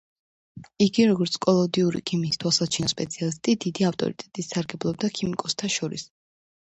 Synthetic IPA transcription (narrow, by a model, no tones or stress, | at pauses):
iɡiɾɔɡɔɾt̪sʰkʼɔlˠɔd̪iuɾḭkʰimist̪ʰwalˠsat͡ʃʰinɔspʼɛt̪sʰialist̪ʼid̪id̪iaft̪ʼɔ̰ɾit̪ʼɛt̪ʼisːaɾɡɛblˠɔb̚d̪akʰimikʼɔst̪ʰaʃɔɾḭs